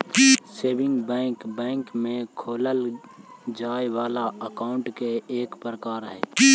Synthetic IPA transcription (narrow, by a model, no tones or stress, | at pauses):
seːbɪ̃ŋɡbɛ̃ːŋkbɛ̃ːŋkmẽkʰoːləl | d͡ʒaːjwaːlaəkaːʊ̃ɳʈkeeːkpɾəkaːɾɦɛː